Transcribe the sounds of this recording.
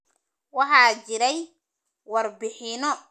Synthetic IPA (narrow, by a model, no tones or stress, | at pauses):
wɑħɑːt͡ʃɪɾɛj | wɑrbɪħɪnɔ